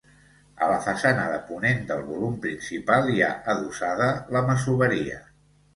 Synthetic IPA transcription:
ə̰ləfəsanəðəpunend̪əlˠβulumpɾinsipalˠia̰ʔəðusað̞ələməsuβəɾiə̰

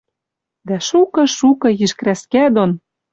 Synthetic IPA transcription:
d̪æʃukɤ̆ʃukɤ̆jiʃkɾæskæd̪on

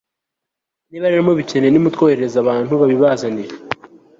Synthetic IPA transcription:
niβaɾeɾamoβice̞nenimutkoːheɾeɾezaβaːn̥huβaβiβazaniɾe

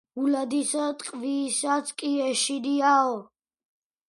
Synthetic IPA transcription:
ulad̪isat̪ʼqʼviːsat̪sʰkʼiɛʃiɾiaɔ

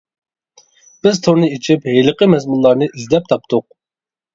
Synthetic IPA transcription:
b̥ɪzt̪ʰoɾnɨit͡ʃʰipɦejləqəmɛzmulˠːɑɾnɨʔizlɛp̚t̪ʰɑp̚t̪ʰʊq̚

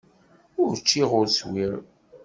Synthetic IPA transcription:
ʊɾt͡ʃːiʁʊɾswiɾ

